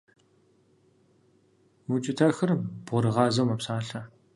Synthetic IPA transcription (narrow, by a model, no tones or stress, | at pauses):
wut͡ʃʼɪtʰɐxɐrb̥ʁʊɾɨʁɑːzɐwmɐpsaːɬɐ